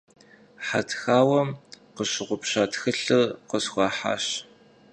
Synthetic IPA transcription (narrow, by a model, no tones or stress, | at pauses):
ħa̰tʰxaːwɐmqəɕɪʁʷʊpɕaːtʰxɨɬɨqəsxʷɑːħa̰ːɕ